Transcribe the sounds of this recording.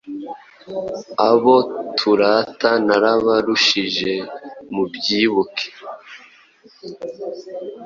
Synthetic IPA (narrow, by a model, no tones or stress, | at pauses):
aβo̞tʰuɾatanaɾaβaɾuʃiʒe̞mubɟiːβukʰe̥